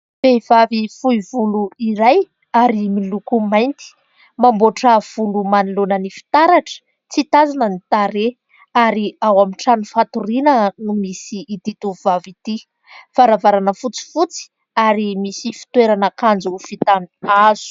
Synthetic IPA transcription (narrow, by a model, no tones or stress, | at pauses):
feiv̥avifuivuluiɾaj | aɾimilukumajnt̪i̥ | mamboʈ͡ʂəv̥ulumanilunənifi̥t̪aɾaʈ͡ʂə̥ | t͡sit̪azanənit̪aɾe | aɾiawamiʈ͡ʂanufat̪uɾinənumisiːd̪it̪uvuvavit̪i | faɾavaɾanəfut͡si̥fut͡si̥ | aɾimisifi̥t̪weɾanəkand͡zufit̪aniaz̥u̥